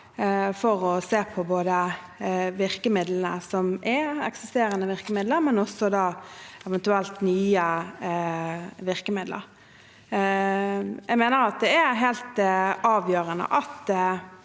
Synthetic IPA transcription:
fɔʁɔseːpʰɔboːd̪ə | ʋɪɾkəmɪd̪lənə̰sɔmʔɛɛksɪst̪eːɾənəʋɪʁkəmɪd̪ləɾmɛnɔsɔd̪ɑːɛʋɛnt̪ʉɛlt̪nyːə | ʋɪʁkəmɪd̪lə̰ɾ | jæɪɡmeːnəɾɑt̪̚d̪ɛæɾɦɛɪlt̪ɑːʋjøːɾənə̰ʔɑt̪

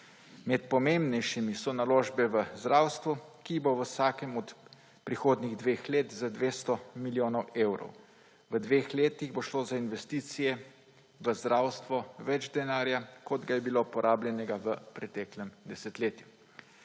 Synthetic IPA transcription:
mɛt̪̚pɔmeːmbnɛjʃimisɔnaloːʒbɛʋəzd̪ɾaːwst̪ʋukiboʋəsaːkɛmɔt̪ | pɾixoːd̪niɣd̪ʋexleːt̪zad̪ʋeːst̪ɔmiljoːnɔweːwɾɔ̰w | ʋəd̪ʋeːxleːt̪iɣboʃloːzainʋɛst̪iːt̪sijɛ | ʋəzd̪ɾaːwst̪ʋɔʋɛd͡ʒd̪ɛnaːɾjakɔd̪ɡajɛbilopɔɾʔaːbljɛnɛɡaʋəpɾɛt̪ɛklɛmd̪ɛsɛt̪leːt̪ju

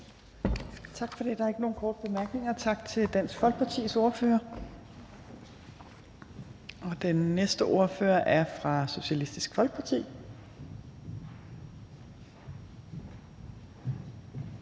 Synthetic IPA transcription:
t͡sʰɑ̈ɡ̥fɒ̽d̥e̝d̥ɑ̈æɐe̝ɡ̥əno̝ːnkʰɒːd̥əb̥e̝mæɐɡ̥ne̝ŋɐt͡sʰɑ̈ɡ̥t͡sʰe̝ld̥æn̰sɡ̥fɒ̽lɡ̥̚pʰɑ̈t͡sʰḭːso̝ɐføːɐ | ɒ̽d̥enːesd̥əʔo̝ɐfø̰ɐʔæɐfʁɑ̈so̝ɕælisd̥isɡ̥fɒlɡ̥̚pʰɑ̈t͡sʰḭː

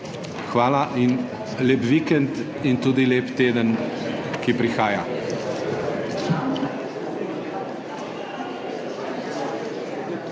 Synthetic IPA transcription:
xʋaːlaʔin | leːpʋikɛnt̪ | int̪uːd̪ileːpt̪eːd̪ənkipɾixaːja

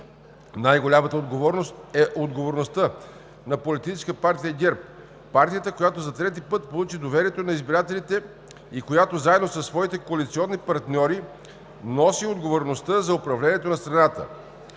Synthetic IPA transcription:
najɡolʲamət̪əod̪ɡovɔɾnost̪ɛʔod̪ɡovoɾnost̪ə | nɐpolit̪it͡ʃɛ̥skəpaɾt̪ijəɡʲɛɾp̚ | paɾt̪ijət̪əkojat̪ozɐt̪ɾɛt̪ipɤt̪polˠut͡ʃid̪ovɛɾiɛt̪onɐizbiɾat̪ɛlit̪ɛ | ikojat̪ozaɛd̪nosɐsːvɔit̪ɛkoɐlit̪siɔnːipɐɾt̪nʲɔɾi | nɔsiod̪ɡovoɾnost̪əzɐopɾɐvlɛniɛt̪onɐst̪ɾɐnat̪ə̰

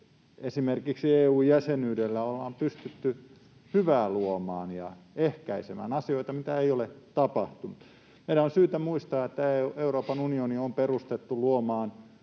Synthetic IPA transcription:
esimerkiksieːuːjjæsenyːdelːæolːɑːmpyst̪yt̪ːy | hyʋæːluomɑ̰ːnjɑ̰ehkæisemæ̰ːnɑsioit̪ɑmit̪æeiolet̪ɑpɑht̪umut̪ | meiɾænonsyːt̪æmuist̪ɑːet̪ːæeeuroːpɑnunioniomperust̪et̪ːuluomɑːn

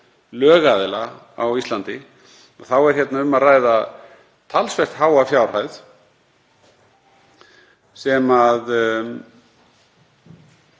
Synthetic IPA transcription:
lœːɣaðɪla | awist̪lant̪ɪ | ɔθawɛɾ̥çɛt̪naʏmːaðraːjða | t̪ʰalsvɛr̥t̪ɦaːwafjawr̥ajð | sɛmað

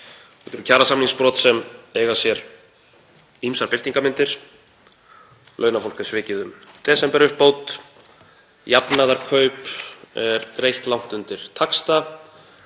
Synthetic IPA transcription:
ɛt̪ɛɾʏcʰaːɾasamniŋspɾɔːt̪sɛmeːjɣasjɛɾ | imsaɾpɪl̥iŋkamɪnt̪ɪɾ̥ | lʔœːɥnafowlkḁsvɪːcɪðʏmt̪ʰɛːsɛmpɛɾʏhpːowt̪ | japnaðaɾkʰœɥpɛɾkɾejht̪lawn̥t̪ʏnt̪ɪɾ̥t̪ʰakst̪a

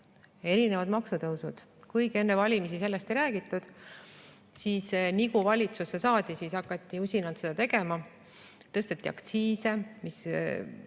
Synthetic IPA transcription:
e̞ɾine̞vɑd̪̥mɑksut̪ɤwsud̪̥ | kujɡ̥e̞nːevɑlʲimisise̞lːe̞st̪ejɾæːɡ̥it̪ːˑud̪̥ | siːsniɡuvɑlʲit̪susːesɑːd̪̥isisɑkːˑɑt̪ˑːiusʲinɑlt̪se̞d̪̥ɑt̪e̞ɡe̞mɑ | t̪ɤst̪et̪ːˑiɑ̰kt̪siːse̞mis

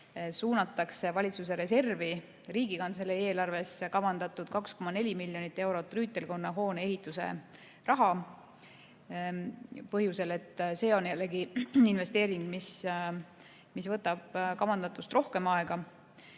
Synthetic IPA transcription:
suːnɑt̪ːˑɑkse̞vɑlʲit̪suse̞ɾe̞se̞rvi | riːɡikɑnt̪selee̞ːlɑrve̞skɑvɑnd̪ɑt̪ːˑud̪̥kɑksko̞mɑne̞lʲimilːjo̞nit̪ːˑe̞wɾo̞t̪ːˑryːt̪ːˑe̞lko̞nːɑɦo̞ːnee̞ɦit̪ːˑuse̞̰ | rʔɑɦɑ | pɤɦjuse̞le̞t̪ːˑse̞ːo̞njælːe̞ɡiinve̞st̪e̞ːɾiŋɡ̥mis | misvɤt̪ːˑɑb̥̚kɑvɑnd̪ɑt̪ːˑust̪rʔo̞hke̞mɑeɡ̥ɑ

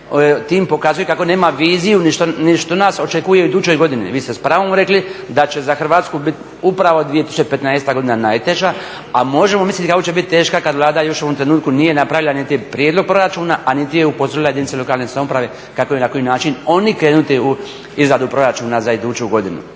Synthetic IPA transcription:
t̪iːmpo̞kazujekako̞neːmaʋiːzijuniʃt̪oniʃt̪onaso̞t͡ʃe̞kujeuid̪ut͡ʃo̞jɡo̞d̪inḭʋiːst̪espɾaːʋomɾe̞klid̪at͡ʃe̞zaxrʋaːt̪skubit̪ | upɾaʋod̪ʋijet̪isut͡ʃepet̪naest̪aɡo̞d̪inanajt̪eʒa | amo̞ʒe̞mo̞mislit̪kako̞t͡ʃe̞bit̪̚t̪ːe̞ːʃkakad̪ʋlˠaːd̪ajo̞ʃo̞ʋo̞mt̪ɾe̞nuːt̪kunije̞napɾaʋilanit̪ipɾjeːd̪lo̞ɡ̚pɾo̞ɾat͡ʃuːnaʔanit̪ijeupozoɾilajed̪init̪selo̞kaːlnesamo̞pɾaʋe̞ | kakojinako̞jinaːt͡ʃino̞nikɾe̞ːnut̪iu | izɾad̪upɾo̞ɾat͡ʃuːnazaid̪uːt͡ʃuɡo̞d̪inṵ

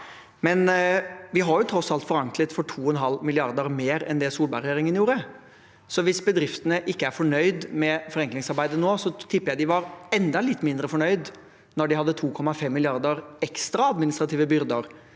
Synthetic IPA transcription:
mɛnʋɪɦɑɾjʊt̪ʰɾɔsɑlt̪fɔɾɑŋklət̪fɔʈʰuːɔnɦɑlːmɪlɪɑɾd̪əɾmeːɾɛ̰nd̪ɛsuːlbɑɾjeːɾɪŋənjuːɾə | sɔʋɪsbəd̪ɾɪft̪ənəʔɪkːəæɾfɔɳœʏd̪mɛfɔɾɛŋklɪŋsɑɾbæɪd̪ənoːsɔt̪ʰɪpːjæɪd̪ɪʋɑɾɛnd̪ɑlɪt̪ːmɪnd̪ɾəfɔɳœʏd̪ | nɔɖɪhɑd̪ːət̪ʰuːkʰɔmːɑfɛmːɪlɪɑɾd̪əɾɛkst̪ɾɑɑd̪mɪnɪst̪ɾɑt̪ʰiːʋəbʏɾd̪əɾ

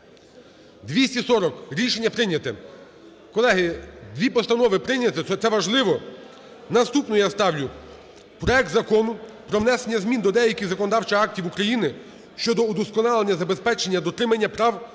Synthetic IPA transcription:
d̪ʋʲisʲtʲisɔɾɔkɾʲiʃenʲːɐpɾɪnʲɐt̪ɪ | kɔlˠɛɦɪd̪ʲʋʲipɔst̪ɐnɔʋɪpɾɪnʲɐt̪ɪɛt̪sɛʋɐʒlˠɪʋɔ | nɐst̪upnɔjast̪ɑwlʲʊ | pɾɔɛk̚t̪zɐkɔnʊpɾɔwnɛsenʲːɐzmʲind̪ɔd̪ɛjɐkʲɪɣzɐkɔnɔd̪ɑwt͡ʃɐɑk̚tʲiwukɾɐjinɪ | ʃt͡ʃɔd̪ɔud̪ɔskɔnɑlˠenʲːɐzɐbe̞spɛt͡ʃenʲːɐd̪ɔt̪ɾɪmɐnʲːɐpɾɑw

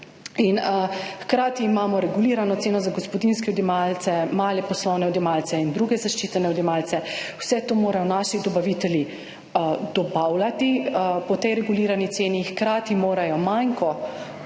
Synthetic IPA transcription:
inxkɾaːt̪iːmaːmɔɾɛɡuliːɾanɔt̪seːnɔzaɡɔspɔd̪inskɛɔd̪jɛmalt̪sɛmaːlɛpɔslɔwnɛɔd̪jɛmalt̪sɛind̪ɾuɡɛzaʃt͡ʃiːt̪ɛnɛɔd̪jɛmalsɛw̥sɛt̪oːmoːɾajɔnaʃid̪ɔbaʋit̪ɛlji | d̪ɔbawlat̪ipɔt̪ɛjɾɛɡuliːɾanit̪seːnixkɾaːt̪imoːɾajɔmajŋkɔ

